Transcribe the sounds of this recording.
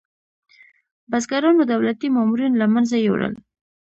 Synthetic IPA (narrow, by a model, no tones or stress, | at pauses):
bazɡaɾɑnod̪awlat̪imɑmuɾinlamanzajḛwɽə̰l